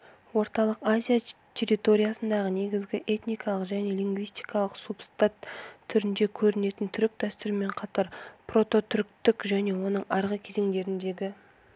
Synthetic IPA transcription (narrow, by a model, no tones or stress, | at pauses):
wo̞ɾt̪ɑlˠəqazʲijat̪ʲʰe̞ɾʲijt̪o̞ɾʲijasənd̪ɑʁəne̞ɡʲɪzɡʲɪʔe̞t̪nijkɑlˠəqʒæne̞lʲiŋɡvijst̪ijkɑlˠəqsupst̪at̪ʰːʏɾɪnd̪e̞kʲʰɵɾɪne̞t̪ɪnt̪ʰʏɾɪk̚d̪æst̪ʏɾɪme̞ɴqʰɑt̪ɑɾpro̞t̪o̞t̪ʰʏɾk̚t̪ɪkʒæne̞wo̞nəɴɑɾʁəkʲʰe̞ze̞ŋd̪e̞ɾɪnd̪e̞ɡʲɪ